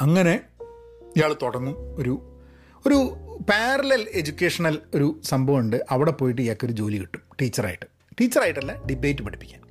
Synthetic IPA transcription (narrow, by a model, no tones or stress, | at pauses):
ɐŋːɐne̞ | ijaːɭt̪oɽɐnːuo̞ɾu | o̞ɾupaːrɐlɐle̞d͡ʑukʲːe̞ːʂɐnɐlo̞ɾusɐmbʱɐʋuɳɖɨʔɐʋiɽe̞po̞ːjiʈ̬ːɨijakːo̞ɾud͡ʑo̞ːliʋiʈːu̥mʈiːt͡ɕːɐra̰ːjiʈːɨ̥ | ʈiːt͡ɕːɐraːjiʈːɐlːaɖibe̞ːtːɨpɐɽipːikʲːaːn